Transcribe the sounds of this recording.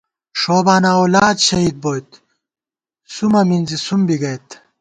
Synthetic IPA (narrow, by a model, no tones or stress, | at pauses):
ʂoːbaːnaːoːlaːd̪ɕɐɦiːd̪̚boːjt̪ | sumɐminzisumbiɡɐjt̪